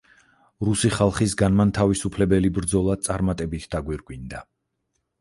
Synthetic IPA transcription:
ɾusiχalˠχisɡanmant̪ʰavisupʰlɛbɛlibɾd̪zɔlˠat̪sʼaɾmat̪ʼɛbit̪ʰd̪̥aɡwiɾɡwind̪a

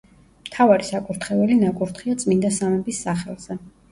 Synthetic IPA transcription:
mt̪ʰavaɾisakʼuɾt̪ʰχɛvɛlinakʼuɾt̪ʰχiat̪sʼmind̪asamɛbisːaχɛ̰lˠz̥ɛ

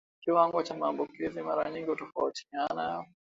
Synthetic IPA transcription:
kiwaŋɡɔt͡ʃamaːmbukizimaɾaɲiŋɡihutɔfauti̥ana

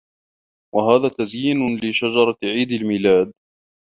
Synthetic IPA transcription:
waɦaːðaːt̪azjiːnʊlɪʃad͡ʒɑɾˤɑʕiːd̪almiːlaːd̪̚

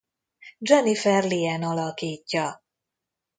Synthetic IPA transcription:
d͡ʒɔnifɛrliɛnɒlɒkiːcːɒ

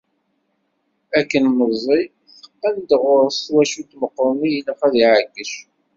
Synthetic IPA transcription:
ækːənməzˤi | θə̥qːænd̪əʁʊɾˤst̪wæʃut̪məqːəɾˤmijəlːæχæðiʕəɡːəʃ

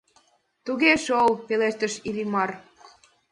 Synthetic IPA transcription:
t̪uɣeʃolpeleʃt̪ə̆ʃilimɑr

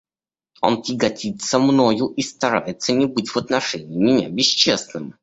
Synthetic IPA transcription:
o̰ntʲɪɡɐtʲit̪səmnojʊʔist̪ɐɾajɪt̪sənʲɪbɨtʲvət̪nɐʂɛnʲɪːmʲɪnʲa̰bʲɪɕt͡ɕesnɨm

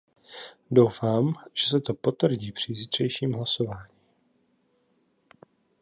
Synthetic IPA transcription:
do̞wfaːmʒ̥ɛsɛt̪o̞po̞t̪vr̩ɟiːpr̝̥ɪzit̪r̥ɛjʃiːmɦlaso̞vaːɲiː

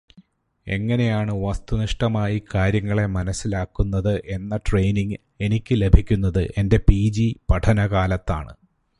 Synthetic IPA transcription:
e̞̰ŋːɐne̞jaːɳɨʋɐst̪uniʂʈɐmaːjikaːɾjɐŋːɐɭe̞mɐnɐsːilaːkːunːɐðɨʔe̞nːɐʈrejniŋɡ | e̞nikʲːɨle̞bʱikʲːunːɐðɨʔe̞nde̞piːd͡ʑipɐʈʰɐnɐɣaːlɐt̪ːaːɳɨ̰

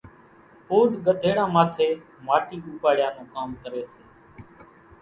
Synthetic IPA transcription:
oːɗɡəd̪ʱeːɽãːmaːt̪ʰeː | maːʈiːuːpaːɽɪjãːnũːkaːmkəɾeːseː

